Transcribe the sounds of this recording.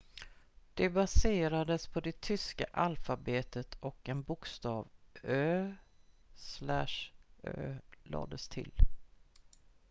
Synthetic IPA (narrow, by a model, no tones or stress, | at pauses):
d̪̥ɛbaseːɾad̪əspʰɔd̪ɛt̪ʰʏska̰ʔalfabeːt̪ət̪ʰɔkɛnbʊkst̪ɑːvøː | slæ̰ʂø̰ːlɑ̰ːd̪əst̪ʰɪ̰l